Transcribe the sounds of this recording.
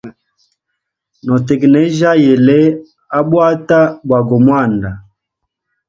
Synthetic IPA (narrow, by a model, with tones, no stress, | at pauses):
nɔ˨tɛ˨ɡnɛ˦ʒa˦je˨le˦ | a˦ɓwa˦ta˦ɓwa˨ɡɔ˨mwa˦˨nda˨